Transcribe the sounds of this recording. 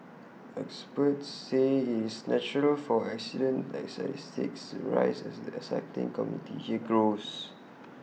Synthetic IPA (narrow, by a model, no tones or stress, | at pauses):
ɛkspətːeiɪsnɛt͡ʃuɹəlfɔɛksidə̃ndɛ̰tsta̰tistḭksɹa̰ɪsɛsdiəsɛk̚tḭ̃ŋkɔmjṵntʰḭhiɡɹos